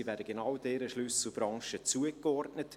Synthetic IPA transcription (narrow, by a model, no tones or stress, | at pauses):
ivæːɾdəɡenawdɛːɾəʃlʏsl̩bɾɑŋʃət͡suəkɔrtnət